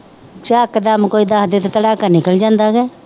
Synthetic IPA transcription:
t͡ʃaːkəd̪əmkoːiːd̪ãːɦd̪et̪et̪əɽaːkəɾnɪkəld͡ʒãːnd̪aːɡɛː

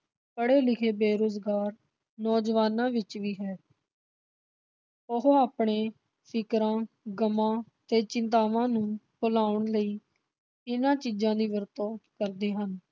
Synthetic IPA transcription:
pəɽeːlɪkʰeːbeːɾoːzɡaːɾ | nɔːd͡ʒʋaːnãːʋɪt͡ʃʋiːɦɛː | ʊɦoaːpɳeː | fʰɪkɾãː | ɡəmãːt̪eːt͡ʃɪnt̪aːʋãːnũːkolaːʊɳləiː | ɪnãːt͡ʃiːd͡ʒãːd̪iːʋəɾt̪õːkəɾd̪eːɦən

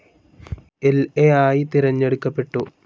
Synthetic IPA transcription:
eleaːjit̪iɾɐɲːe̞ɽukːɐpːe̞ʈːu

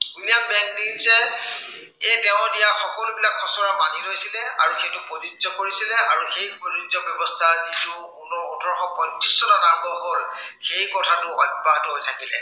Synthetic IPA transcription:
uniabɛŋdinzɛ | etɛʊ̃dijaxɔkɔlʊbilakʰːɔsɔɹamanilojsilɛa̰ɹuxetʊpozidzɔkoɹisilɛʔaɹuxejpozizɔbjɔbɔstʰazitʊkʊnɔutɔɹxɔpɔntisɔnanabɔkɔɹxejkɔtʰatʊɔ̰d̚batʊɦojtʰakilɛ̰

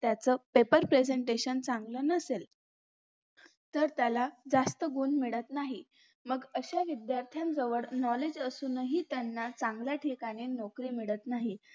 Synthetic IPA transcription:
t̪jat͡səːpepəɾpɾed͡zeɳʈeɕənt͡saŋɡlənəsel | t̪əɾt̪jalad͡zast̪əɡuːnmiɭət̪naɦi | məɡəɕaʋid̪jaɾt̪ʰjamd͡zəʋəɽnɔled͡ʑəsuːnəɦit̪janːat͡sãŋɡljaʈʰikaɽ̃inɔkɾiːmiɭət̪naɦi

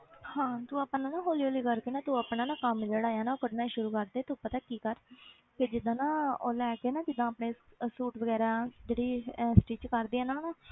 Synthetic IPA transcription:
hãːt̪ũːaːpnãːnãːɦoːliːoːliːkəɾkeːnaːt̪ũːaːpnãːnãːkəmd͡ʒeːɽaːjaːnaːoːkəɖnaːiʃʊɾuːkəɾd̪eːt̪upət̪aːkiːkəɾ | ked͡ʒɪd̪ːãːnãːo̰ːlɛːkeːnãːd͡ʒɪd̪ːãːəpneːsuːʈʋəɡɛːɾaːd͡ʒeːɽiːsʈiːt͡ʃkəɾd̪iːɛːnaːnaː

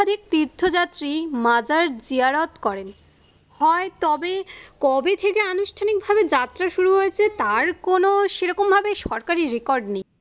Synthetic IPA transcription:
d̪ʱik̚t̪iɾd̪ʱʰːod͡ʑat̪ːɾimad͡ʑaɾd͡ʑiaɾot̪kɔɾen | hɔet̪ɔbekɔbet̪ʰekeanuʃʈʰanik̚bʱabed͡ʑat̪ːɾaʃuɾuɦoet͡ɕʰet̪aɾkonoʃeɾɔkombʱabeʃɔɾkaɾiɾekɔɾɖnej

